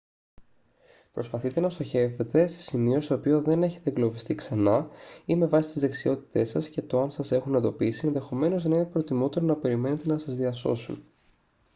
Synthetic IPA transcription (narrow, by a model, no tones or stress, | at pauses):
pɾo̞spɐθit̪e̞nɐst̪o̞çe̞ve̞t̪e̞se̞̥simio̞st̪oːpio̞ðe̞ne̞çe̞t̪eɡlo̞vist̪iksɐnɐime̞vɐsi̥st̪izðe̞ksio̞t̪i̥t̪e̞sɐsce̞t̪oɐnsɐse̞xunend̪o̞pisienðe̞xo̞me̞no̞znɐinpɾo̞t̪imo̞t̪e̞ɾonɐpe̞ɾime̞ne̞t̪e̞nɐsɐzðiɐso̞̰sṵn